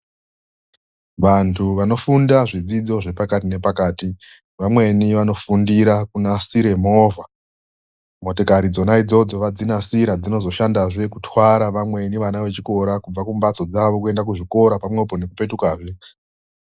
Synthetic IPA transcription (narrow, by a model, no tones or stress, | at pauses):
ʋantʰuʋano̞fundaʐid͡zid͡zo̞ʐe̞pakatine̞pakaːti | ʋamwe̞niʋano̞fundiɾakunasiɾe̞mo̞ːvʱa | mo̞tokaɾid͡zo̞naid͡zo̞d͡zo̞ʋad͡zinasiɾad͡zino̞zo̞ʃandaʐe̞kutʰwaɾaʋamwe̞niʋanaʋe̞t͡ʃiko̞ɾakub͡vakumbat͡so̞d͡zaʋo̞kue̞ndakuʐiko̞ɾapamwe̞po̞ne̞kupe̞tukaːʐe